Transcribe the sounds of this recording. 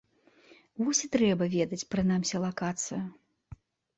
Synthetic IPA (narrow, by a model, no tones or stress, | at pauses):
vɔsʲit̪ɾɛbɐvʲɛd̪ɐt͡sʲpɾɨnamsʲɐlˠakat̪sɨjɐ